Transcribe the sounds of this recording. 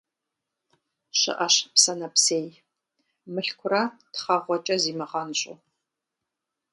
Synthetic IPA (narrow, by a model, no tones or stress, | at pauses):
ɕɨ̰ʔɐɕpsɐnɐpseːj | mɨɬkʷʰʊrɐtχɐʁʷɔt͡ʃʼɐziːmɨʁɐnɕʼʊ̰